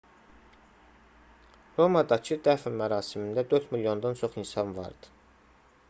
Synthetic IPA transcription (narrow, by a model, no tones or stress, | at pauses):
ɾo̞mɑd̪ɑcʰɯd̪æfnmæɾɑːsimind̪æd̪øɾt̪miljo̞nd̪ɑnt͡ʃʰo̞χinsɑnvɑ̰ɾd̪̥ɯ̥